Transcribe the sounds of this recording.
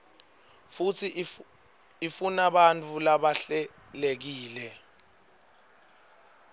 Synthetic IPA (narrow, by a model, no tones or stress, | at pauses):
fut͡sʰi | ifunaɓant͡fʰulaɓaɬɛ | lek̬iːlɛ